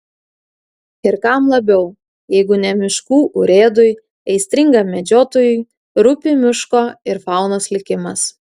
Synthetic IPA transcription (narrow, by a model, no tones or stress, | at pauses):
ɪɾkɑmlˠɐbʲɛʊ | jɛɪɡʊnʲɛmʲɪʃkuːʔʊɾʲeːd̪ʊj | ɛɪsʲt̪ʲɾʲɪŋɡɐmʲɛd͡ʒʲoːt̪oːjʊɪ | ɾʊpʲɪmʲɪʃkoːɪɾfɑˑʊnoslʲɪkʲɪmɐs